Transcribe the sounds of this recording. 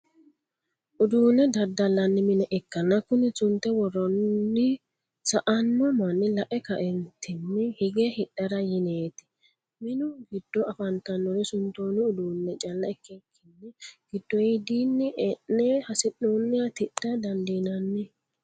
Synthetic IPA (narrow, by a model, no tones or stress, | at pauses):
ʔʊd̪uːnɛd̪ɐd̪ːɐlːɐnːɪmɪnɛʔɛkːɐnːɐkːʊnɪt͡sʊnt̪ːɛwɔrɔnːɪ | sɐʔɐnːɔmɐnːɪlɐʔɛkɐʔɛnt̪ʰːɪnːɛhɪɡɛhɪɗɐɾɐjɪneːt̪ɪ̥ | mɪnʊɡɪd̪ːɔɐfɐnt̪ɐnːɔɾɛsʊnt̪oːnɪʊd̪uːnːɛt͡ʃʼɐlːɐɛkːɛkʰːɪnːɛɡ̥ɪd̪ːɔjid̪iːnːɛʔɛnːɛhɐsɪɗoːnːɪɐt̪ɪᶑːɐd̪ɐnd̪iːnɐnːɪ